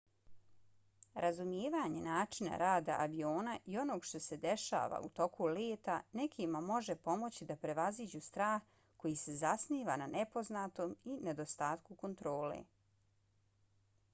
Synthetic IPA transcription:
ɾʔazumjeːʋaːɲe̞naːt͡ʂina̰ɾaːd̪a̰ʔaʋio̞ːnaʔio̞no̞ːɡʃt̪o̞se̞d̪e̞ʃa̰ːʋa̰ut̪o̞kʰuleːt̪ane̞kʰimamo̞ʒepo̞mo̞t͡ɕid̪apɾe̞ʋazid͡ʑust̪ɾaːx | ko̞jise̞zasniːʋananepo̞znaːt̪o̞ːmine̞d̪o̞st̪aːt̪kuko̞nt̪ɾo̞ːlḛ

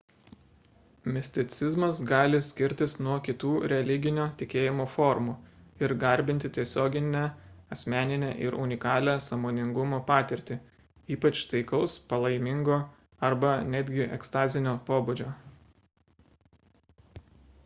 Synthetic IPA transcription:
mʲɪsʲt̪ʲɪt̪sʲɪzmɐsɡɑːlʲɪsʲkʲɪɾʲt̪ʲɪsnuɔkʲɪt̪uːɾʲɛlʲɪɡʲɪnʲoːt̪ʲɪkʲeːjɪmoːfɔɾmuːɪɾɡɐɾʲbʲɪnʲt̪ʲɪt̪ʲiɛsʲoːɡʲɪnʲæɐsʲmʲæːnʲɪnʲæʔɪɾʊnʲɪkɑːlʲæːsɐmoːnʲɪŋɡʊmoːpɑːt̪ʲɪɾʲt̪ʲɪ | iːpɐt͡ʃt̪ɐɪkɐʊspɐlˠɐɪmʲɪŋɡoː | ɐɾbɐnʲæd̪ʲɡʲɪʔɛkst̪ɑːzʲɪnʲoːpoːbʊd͡ʒʲoː

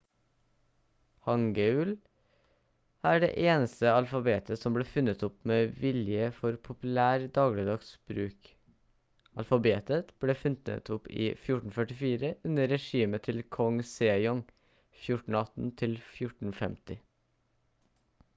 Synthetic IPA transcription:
hɑŋɡəʉl | æːɖḛːʔeːnəst̪əɑlfɑbeːt̪ʰəsɔmbleːfʉnət̪ʊpmeːʋɪljəfɔɾpʰʊpʉlæːɾd̪ɑːɡlɪd̪ɑɡsb̥ɾʉːk | ɑlfɑbeːt̪ət̪b̥ɽeːfʉnə̰t̪ʰʊpḭːfjʊʈɳn̩fœʈɪfiːɾəʔʉnəɾɛʃiːmət̪ʰɪlkʰɔŋseːɪjɔŋ | fjʊʈɳ̩ɑt̪n̩t̪ʰɪlfjʊʈɳ̩fɛmt̪ɪ

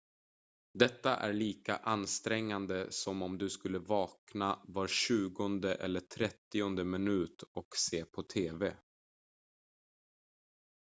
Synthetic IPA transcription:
d̪ɛt̪ːaʔæ̰ɾɭiːka̰ʔanːst̪ɾɛŋːand̪əsɔmɔmd̪ɵskɵlːəvɑːknavaɾɕʉ̟ːɡɔnd̪əʔɛ̰lːəʈʰɾɛt̪ːɪɔnd̪əmɪnʉ̟ːt̪ɔkseːpʰɔt̪ʰeːvɛ

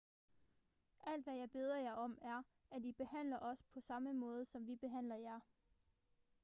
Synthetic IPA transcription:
ʔæl̰d̥ʋæjɑ̈ɪb̥e̝ːð̞ˠɐjɑ̈ɪɒ̽mæɐ | ædib̥e̝ɦæn̰lɐʔɒ̽spʰɒ̽sɑ̈məmɔ̽ːð̞ˠsɒ̽mʋib̥e̝ɦæn̰lɐjæɐ

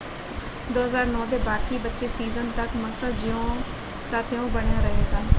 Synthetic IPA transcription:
d̪oːɦəzaːɾnɔːd̪eːbaːkiːbətːʃeːsiːzənt̪əkməsaːd͡ʒɪõː | t̪aːt̪eõːbəɳjaːɾəɦeːɡaː

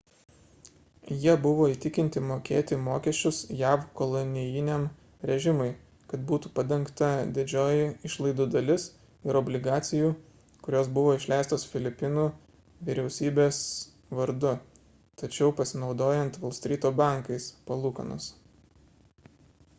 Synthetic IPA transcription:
jiɛbʊʋoːiːt̪ʲɪkʲɪnʲt̪ʲɪmoːkʲeːt̪ʲɪmoːkʲɛʃʲt͡ʃʲʊsjæːʋkoːlˠɔnʲɪjɪnʲem | ɾʲɛʒʲɪmʊɪ | kɐt̪buːt̪uːpɐd̪ʲɛŋˑkt̪ɐd̪ʲɪd͡ʒʲoːjɪɪʃlˠɐɪd̪uːd̪ɐlʲɪs | ɪɾɔbʲlʲɪɡɑːt̪sʲɪjuː | kʊɾʲoːsbʊʋoːɪʃʲlʲæˑɪst̪oːsfʲɪlʲɪpʲɪnuː | ʋʲiɾʲɛʊsʲiːbʲeːs | ʋɐɾd̪ʊ | t̪ɐt͡ʃʲɛʊpɐsʲɪnɒʊd̪oːjɛnt̪ʋɐlˠsʲt̪ʲɾʲiːt̪oːbɑˑŋkɐɪspɐlˠuːkɐ̰nʊ̰s

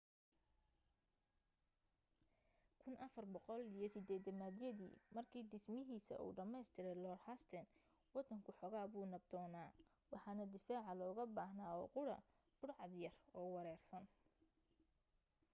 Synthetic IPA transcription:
kʰʊnʔɐfɐrbɔqɔlijɞsɪd̪ɛːd̪ɐmaːd̪jɐðḭːmɐrkʰiːɖɪsmɪɦiːsɐ̰ʔṵːɖɐmɛjst̪ʰɪɾɛjlɔːɾhɐst̪ʰɛn | wɑd̪ɐŋkʰʊħɔɣaːβuːnɐb̚d̪ɔːnaː | wɑħɑːnɐd̪ɪfaːʕɑlɔːɣɐbaːhnaːɔːqʊɽɐ̰ | b̥ʊɽʕɑd̪jɐrɔːwɑɾɛːrsɐn

